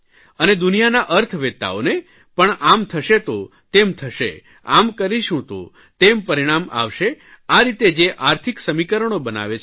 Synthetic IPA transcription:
əned̪unijanaʔəɾt̪ʰʋet̪ːa̰one | pəɳamt̪ʰəʃet̪ot̪emt̪ʰəʃḛ | a̰mkəɾiʃũt̪o̰ | t̪empəɾiɽ̃ama̰ʋʃe | aɾit̪ed͡ʒeʔaɾt̪ʰiksəmikəɾəɳ̃obəna̰ʋet͡ʃʰ

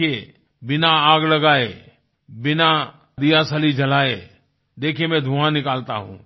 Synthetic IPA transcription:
e | bɪnaaːɡlɐɡaːe | bɪna | d̪ijasɐlid͡ʒʱɐlaːḛ | d̪eːkʰiemɛ̃d̪ʱũãnɪkaːlt̪a̰ɦṵ̃ː

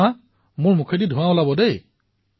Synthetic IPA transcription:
a | mʊɹmukʰedidʱʊ̃wãʊlabɔdej

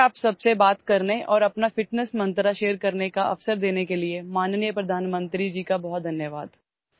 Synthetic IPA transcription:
aːpsɐbsebaːt̪kɐɾneʔɔːɾɐpnafɪʈnəsmɐ̃nt̪ɾaʃeːɾkɐɾnekaʔɐ̰fsəɾd̪eːnekeliemaːnnijəpɾɐd̪ʱaːnmə̃nt̪ɾid͡ʒiːkabɔɦɔt̪̚d̪ʱɐnjəʋaːd̪

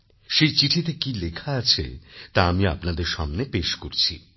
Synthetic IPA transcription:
ʃejt͡ɕiʈʰit̪ekilekʰaat͡ɕʰḛt̪aamia̰pnad̪eɾʃamnepeʃkoɾt͡ɕʰḭ

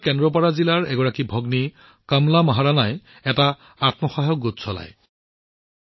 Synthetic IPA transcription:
kɛndɹɔpaɹazilaɹɛɡɔɹakibʱɔɡni | kamlamaɦaɹanaj | ɛta | atmɔxaɦɔɡːotsɔla̰j

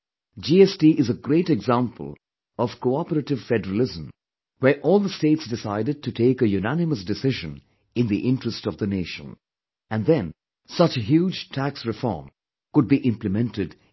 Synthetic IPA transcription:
d͡ʒiɛstiʔɪzəɡɾeɪtɛɡzæ̃mpʰə̰lˠ | ɔv̥koɑpəɾətɨv̥fɛdəɹəlɪzə̃m | wə˞ʔɔːlˠd̪əsteɪtsdɪsaɪdɨd̚tɨtʰeɪkəjunænɨməsdɨsɪʒɨ̃n | ɪ̃nðiʔɪ̃ntɹ̥əstʌvðəneɪʃə̰̃n | æ̃nðɛ̃n | sʌt͡ʃɦjud͡ʒtʰæksɹɨfɔ̰ːɹm | kʊd̚biʔɪ̃mplɨmɛ̃ntɨd

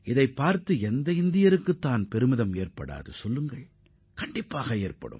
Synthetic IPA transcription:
ʔɪðɐɪpːaːɾt̪ɯɛnd̪ɐɪnd̪ɪjɐɾɯkːɯt̪ːaːnpɛɾɯmɪðɐmeːrpɐɽa̰ːðɯ̰sɔlːɯŋɡɐɭ | kɐɳɖɪpːaːɣɐeːrpɐ̰ɽɯ̰m

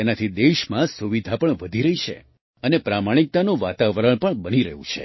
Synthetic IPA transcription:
enat̪ʰid̪eʃmãsuʋid̪ʱapəɳʋəd̪ʱiɾəɦit͡ʃʰḛ | ənepɾamaɽ̃ik̚t̪anoʋat̪aʋəɾəɭpəɳbəniɾə̰ɦṵ̃t͡ʃʰe

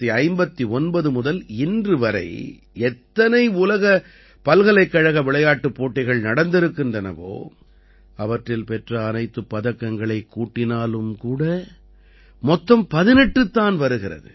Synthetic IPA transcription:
iɐɪmbɐt̪ːiɔnbɐðɯmʊðɐlɪndrɯʋɐɾɐ̰ɪ | ɛt̪ːɐnɐɪʊlɐɣɐ | pɐlɣɐɭɐɪkːɐɻɐɣɐʋɪɭɐjaːʈːɯpːoːʈːɐɪɣɐɭnɐɽɐnd̪ɪɾɯkːɪndrɐnɐ̰ʋo̰ː | ɐʋɐʈrɪlpɛʈrɐːnɐɪt̪ːɯpːɐðɐkːɐŋɡɐɭɐɪkːuːʈːɪnaːlɯmkuːɽɐ | mɔt̪ːɐmpɐðɪnɛʈrɯt̪ːaːnʋɐɾɯɣɪrɐ̰ðɯ̰

